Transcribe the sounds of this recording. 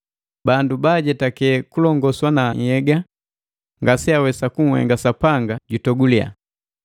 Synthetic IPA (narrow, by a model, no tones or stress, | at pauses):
bandubaɟɛtakɛkulɔŋɡɔswanaːɲhɛɡa | ŋɡasiawɛsakuŋ̩hɛ̰ŋɡasapaŋɡaɟutɔɡulia̰